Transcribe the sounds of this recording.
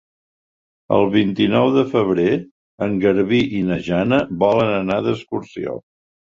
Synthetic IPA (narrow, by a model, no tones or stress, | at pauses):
ə̰lˠβint̪inɔwðəfəβ̞ɾe | əŋɡəɾβiʔinəʒanəβɔlənənaðəskuɾsio̰